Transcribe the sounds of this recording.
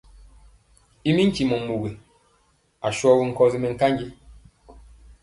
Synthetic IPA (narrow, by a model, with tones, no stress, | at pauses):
i˦mi˦ŋ̩˦ki˨mɔ˨mu˨ɣi˨ | a˨ʃwɔ˦wi˨ŋ̩˨kɔ˦zi˦mɛ˨ŋ̩˨ka˦ɲd͡ʒi˦